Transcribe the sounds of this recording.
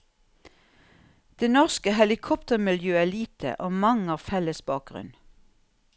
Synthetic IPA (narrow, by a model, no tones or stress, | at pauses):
d̪̥eːnɔʁskəhɛlɪkʰɔpt̪əʁmɪljøːæːliːt̪ʰə̰ʔoːmɑŋəɑːʋfɛləsbɑːk̚ɡ̥ʁʉ̰n